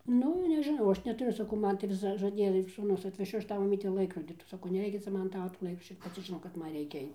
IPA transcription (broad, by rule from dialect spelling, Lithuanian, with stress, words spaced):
ˈnʊ nʲɛʒʲɪˈnɐʊ ˈɐʃ nʲɛtʊˈrʲʊ sɐˈkɐʊ ˈmɐn tɐɪ ˈʋʲɪs ʒɐˈdʲeːjɛ ɪr suːˈnʊs ɐtʲʋʲɛˈʃʲʊ ˈɐʃ ˈtɐʊ mɐˈmʲiːtʲɛ ˈlˠɐɪkroːdʲɪ sɐˈkɐʊ nʲɛˈrʲɛɪkʲɛ ˈt͡sʲɛ ˈmɐn ˈtɑːʋoː toː ˈlˠɐɪk ˈɐʃ ɪr pɐˈt͡sʲɪ ʒʲɪˈnɐʊ kɐt ˈmɐn ˈrʲɛɪkʲɛ ˈɐɪt͡s